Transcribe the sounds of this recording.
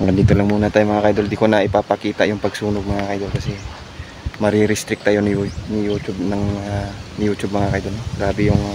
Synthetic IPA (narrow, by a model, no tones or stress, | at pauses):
ɡɐnd̪iːt̪olɐŋmuːnɐt̪aːjmɐŋakajd̪old̪iko̞nɐʔɪpapɐkiːt̪ajʊŋpɐɡsuːnoɡ̚mɐŋakajd̪olkɐsɛ | mɐɾiɾɪst̪ɾɪk̚t̪ajonɪjunɪjuːt͡ʃʊb̚nɐŋanɪjuːt͡ʃʊb̚mɐŋakɐjd̪oloɡaːbɪjʊŋ